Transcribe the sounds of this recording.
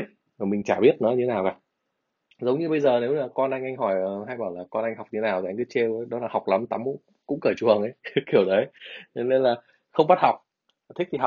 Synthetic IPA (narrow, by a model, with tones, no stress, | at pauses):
vaː˨˩mï˨˩ŋ̟t͡ɕa̰ː˧˩ɓi˦˥ət̚nɨ̰˧˥˦ɲ˧tʰe˨˦naː˨˩wkaː˨˩ | zə˨˦wŋ͡mɲɨ˧ɓə˧jzəː˨˩ne˨˦wlaː˨˩kɔ˧nʔa˧ŋ̟ʔa˧jŋ̟ɦɔ˧˩jə˨˩ɦa˧jɓaː˧˩laː˨˩kɔ˧nʔa˧jŋ̟ɦa˨˩wk͡p̚ɲɨ˧t̪ʰe˦naː˨˩wt̪ʰŋ̟kɨ˨˦t͡ɕe˧wɗɔ˨˦laː˨˩ha˨˩k͡p̚la˨˦mt̪a˨˦m˧˥ | kʊ̰˧˥ŋ͡mkəː˧˩t͡ɕu˨˩əŋʔə˨˦jki˧˩əwɗə˨˦jt͡ɕɔ˧ne˧nlaː˨˩ | xə˧wŋ͡mɓa˦˥t̚ha˨˩wk͡p̚ | t̪ʰï˦˥k̚t̪ʰ